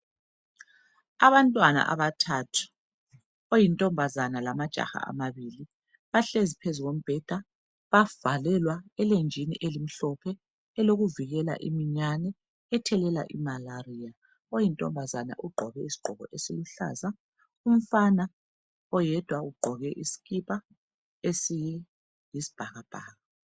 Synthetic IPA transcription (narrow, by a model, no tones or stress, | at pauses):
aβantʼwana̰ʔa̰βatʰaːtʰu̥ | ojintʼɔmbʱazanalamad̥ʒ̥ʱa̰xa̰a̰maβiːli | βaɬezipʰezuɣom̩b̥ʱɛd̥ʱa | βav̥alɛlwaɛlend͡ʒʱinḭʔelim̩ɬɔpʰɛː | loɣuviɣɛla̰ʔḭmiɲanɛː | tʰɛlɛla̰ʔimalarija | ojintʼɔ̰mbʱazana̰ʔuɡ͡ǃʱɔɣɛisi̥ɡ͡ǃ̥ʱɔɣɔ̰ʔesiluɬa̰ːza | um̩fana | ɔjɛd̥ʱwauɡ͡ǃʱɔɣɛʔisi̥ɣipʰa | esijɛ | isi̥b̥ʱaɣab̥ʱaːɣa